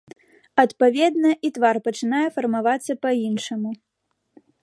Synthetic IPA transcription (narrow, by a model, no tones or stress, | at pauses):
ɐt̪pavʲɛd̪nɐʔit̪varpɐt͡ʂɨnajɛfɐrmavat̪sːɐpainʂɐmu